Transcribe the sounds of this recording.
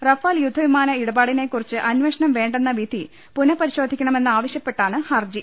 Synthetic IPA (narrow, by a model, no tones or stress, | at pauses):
rɐfaːljud̪ʱːɐʋimaːnɐiɽɐbaːɽine̞kːurit͡ɕːɨʔɐnʋeʂɐnɐmʋe̞ːɳɖenːɐʋid̪ʱi | punɐpɐɾiɕo̞ːd̪ʱikʲːɐɳɐme̞nːɨaːʋɐɕjɐpːe̞ʈːaːɳɨhɐrd͡ʑi